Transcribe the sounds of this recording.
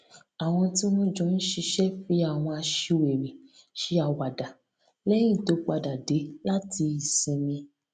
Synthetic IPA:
a˨w̃ɔ̃˧ti˦mɔ̃˦d͡ʒũ˨˦n̩˦ʃi˧ʃɛ˦fi˨˦a˦˨w̃ɔ̃˧a˧ʃi˧we˨ɾĩ˨ | ʃi˨˦a˨wa˨da˨ | lɛ˦j̃ĩ˦˨to˨˦k͡pa˧da˨de˨˦la˦ti˧i˨sĩ˧mĩ˧

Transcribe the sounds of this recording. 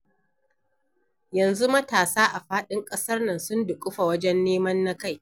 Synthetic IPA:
jɐ˨nzu˦mɐ˦taː˨saː˦ʔa˨ɸaː˦ɗɪ˦ŋkʼɐ˦sɐ˦rnɐ˨nsʊ˦ndʊ˨kʼʊ˦ɸa˨wɐ˦d͡ʒɛ˦nːeː˦mɐ˦nːa˦ka˦˨j

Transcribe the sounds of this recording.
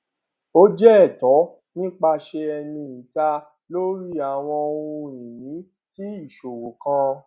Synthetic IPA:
o˦d͡ʒɛ˦ɛ˦˨tɔ˨˦ | nĩ˦k͡pa˧ʃe˧ɛ˧nĩ˧i˨ta˧ | lo˦ɾi˦a˨w̃ɔ̃˧o˧ũ˧ĩ˨nĩ˨˦ | ti˦i˦˨ʃo˨wo˨kã˧

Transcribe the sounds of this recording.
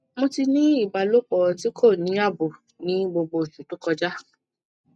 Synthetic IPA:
mo˧ti˧nĩ˦i˦˨ba˨lo˦k͡pɔ˧ti˦kʰo˦˨nĩ˨˦a˦˨bu˨ | nĩ˦ɡ͡bo˧ɡ͡bo˧˨ʃu˨tu˨˦kɔ˧d͡ʒa˦

